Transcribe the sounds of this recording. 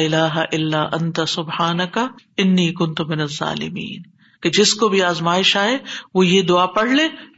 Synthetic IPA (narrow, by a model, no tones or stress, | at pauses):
ɪlaːɦaʔɪlːaːʔɐ̃nt̪ɐsʊbhaːnɐkaɪnːiːkʊnt̪ʊmɪnɐzːa̰ːlɪ̰mḭːn | ked͡ʒɪskobʱiaːzmaːɪʃaːeʋojed̪ʊaːpɐɽ̤leː